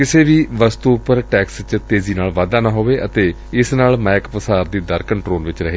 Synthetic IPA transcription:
kɪseːʋiːʋəst̪uːpəɾʈɛːkst͡ʃt̪eːziːnaːlʋaːd̪aːnaːɦoːʋeːʔət̪eː | ɪsnaːlmɛːkpəsaːɾd̪iːd̪əɾkəɳʈɾoːlʋɪt͡ʃɾəɦeː

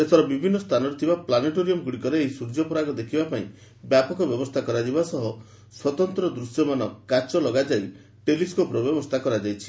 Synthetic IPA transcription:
set̪ʰɔɾɔbibʱinːɔst̪ʰanɔɾit̪ʰibaplaneʈoɾiɔmɡuɽikɔɾeeɦisuɾd͡ʒɔpɔɾaɡɔd̪ekʰibapaĩ | bjapɔkɔbjɔbɔst̪ʰakɔɾad͡ʒibasɔɦɔ | swɔt̪ɔnt̪ɾɔd̪ɾusjɔmanɔkat͡ʃɔlɔɡad͡ʒai | ʈeliskɔpɾɔbjɔbɔst̪ʰakɔɾad͡ʒajt͡ʃʰi̥

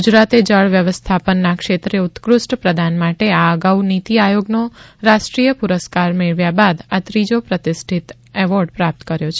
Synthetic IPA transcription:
ɡud͡ʒɾat̪ed͡ʒəɭʋjəʋəst̪ʰapənːakʃet̪ɾeut̪kɾʊsʈpɾəd̪ʱanmaʈeaəɡaunit̪iajoɡnoɾaʃʈɾijəpuɾəskaɾmeɭʋjabad̪at̪ɾid͡ʒopɾət̪isʈʰit̪ | ɛʋɔɾɖpɾap̚t̪kəɾjot͡ʃʰe

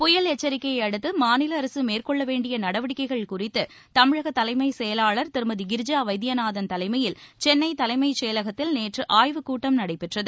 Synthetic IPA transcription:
pʊjɐlɛt͡ʃːɐɾɪkːɐjɐɪɐɽɯt̪ːɯmaːnɪlɐːɾɐsɯmeːrkɔɭːɐʋeːɳɖɪjɐnɐɽɐʋɐɽɪkːɐɪɣɐɭkʊrɪt̪ːɯ | t̪ɐmɪɻɐɣɐt̪ːɐlɐɪmɐɪsɛjɐlaːɭɐɾt̪ɪɾɯmɐðiɡɪɾd͡ʒaːʋɐɪd̪janaːðɐnt̪ɐlɐɪmɐjɪlt͡ʃɛnːɐɪt̪ɐlɐɪmɐɪt͡ʃɛjɐlɐɣɐt̪ːɪlneːʈrɯʔaːjʋɯkuːʈːɐmnɐɽɐɪpːɪʈrɐðɯ

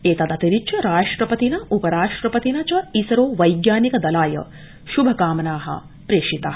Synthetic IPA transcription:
eːt̪ɐd̪ɐt̪iɾit͡ʃʰɐɾaːʂʈɾɐpɐt̪inɐʔupɐɾaːʂʈɾɐpɐt̪inɐt͡ʃɐisɐɾoːʋɐjɡjaːnikɐd̪ɐlaːjɐ̰ | ʃubʱɐkaːmɐnaːɦɐ̰ | pɾeːʂit̪aːɦɐ

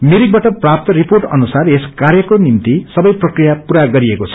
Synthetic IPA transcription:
miɾik̚baʈʌprap̚t̪ʌriporʈʌ̰nusareskarjʌkonimt̪isʌbʌjprʌkrijapuɾaɡʌɾiekot͡sʰʌ̥

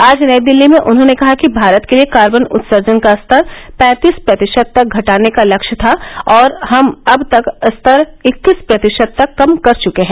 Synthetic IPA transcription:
aːd͡ʒnɐed̪ɪlːimẽʔʊnɦõːnekɐɦakibʱaːɾət̪keliekaːɾbənʊ̰t̪səɾd͡ʒənkast̪ʰəɾpɛ̃ːt̪iːspɾɐt̪ɪʃəd̪̚t̪ɐk̚ɡʱɐʈaːnekalɐkʃt̪ʰaɔːɾhɐmɐbt̪ɐkst̪ʰəɾɪkːispɾɐt̪ɪʃəd̪̚t̪ɐkːɐmkɐɾt͡ʃʊkeɦɛ̃ː

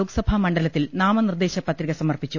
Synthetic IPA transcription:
uːksɐbʱɐmɐɳɖɐlɐt̪ːilnaːmɐnird̪e̞ːɕɐpɐt̪riɣɐsɐmɐrpit͡ɕːu

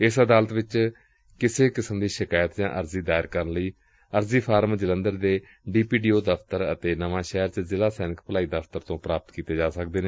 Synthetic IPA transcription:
ɪsəd̪aːlət̪ʋɪt͡ʃ | kɪseːkɪsəmd̪iːʃɪkaːjət̪d͡ʒãːʔəɾziːd̪aːɪɾkəɾənləiː | əɾziːpʰaːɾmd͡ʒələ̃nd̪əɾd̪eː | ɖiːpiːɖiːoːd̪əpʰt̪əɾə̰t̪eːnəʋãːʃɛːɾt͡ʃzɪlaːsɛːnɪkpəlaːiːd̪əpʰt̪əɾt̪õːpɾaːpət̪kiːt̪eːd͡ʒaːsəkd̪eːneː

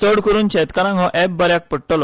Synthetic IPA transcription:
t͡səɽkəɾuːnt͡ɕʰɛt̪kaɾãŋɡɦɔ̃ʔɛp̚bəɾjak̚pəɽʈɔlɔ

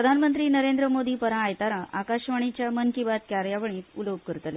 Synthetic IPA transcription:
ɾəd̪ʱanmənt̪ɾiːnəɾend̪ɾəmod̪iːpəɾãːjt̪aɾãʔakaɕʋaɳ̃it͡ɕjamənkibat̪̚kʲjaɾjaʋəɳ̃iːt̪uloɡ̚kəɾt̪əle

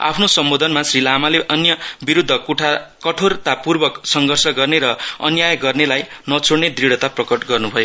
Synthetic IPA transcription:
a̰pʰnosʌmbod̪ʱʌnmasrilamaleʔʌnjʌbiɾud̪ʱːʌkuʈʰakʌʈʰort̪apurbʌksʌŋɡʱʌrsʌɡʌrneɾʌʌ̰njajɡʌrnelajnʌt͡sʰoɽned̪riɽ̤ʌt̪aprʌkʌʈɡʌrnubʱʌjo

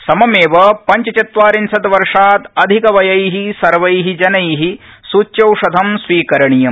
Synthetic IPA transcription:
sɐmɐmeːʋɐpɐɲt͡ʃɐt͡ʃɐt̪ʋaːɾinsɐt̪ʋɐɾʂaːt̪ɐd̪ʱikɐʋɐjɐjɦisɐɾʋɐjɦid͡ʒɐnɐjɦi | suːtːjɐwʂɐd̪ʱɐmsʋiːkɐɾɐɳijɐm

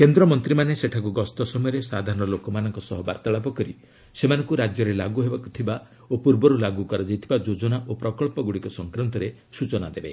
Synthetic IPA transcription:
kend̪ɾɔmɔnt̪ɾimaneseʈʰakuɡɔst̪ɔsɔmɔjɔɾesad̪ʱaɾɔnɔlokɔmanɔŋkɔsɔɦɔba̰ɾt̪aɭapɔkɔɾḭ | semanɔŋkuɾad͡ʒjɔɾelaɡuɦebaku̥t̪ʰiba | opuɾbɔɾulaɡukɔɾad͡ʒajt̪ʰibad͡ʒod͡ʒɔnaʔopɾɔkɔɭpɔɡuɽikɔsɔŋkɾɔnt̪ɔɾe | sut͡ʃɔna̰d̪ebe

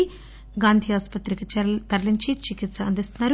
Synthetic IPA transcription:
i | ɡaːnd̪ʱiaːspɐt̪ɾikit̪ɐɾliɲt͡ʃit͡ʃikit̪sɐɐnd̪ist̪unːaːɾ

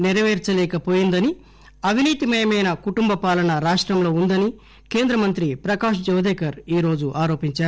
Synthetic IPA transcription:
niɾɐʋeːɾt͡ʃɐlɛːkɐpoːjind̪ɐni | ɐʋiniːt̪imɐjɐmɐjnɐkuʈumbɐpaːlɐnɐɾaːʂʈɾɐmlo̞ːund̪ɐni | keːnd̪ɾɐmɐnt̪ɾipɾɐkaːʂd͡ʒɐʋɐd̪ɛːkɐɾiːɾo̞ːd͡ʒuʔaːɾo̞ːpiɲt͡ʃaːɾu

